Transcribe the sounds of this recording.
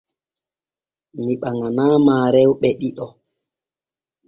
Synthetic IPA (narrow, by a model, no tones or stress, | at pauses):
miɓaŋanaːmaːɾɛwɓɛɗiɗɔ